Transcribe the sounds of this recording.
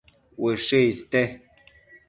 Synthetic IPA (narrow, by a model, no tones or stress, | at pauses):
wəʃestɛ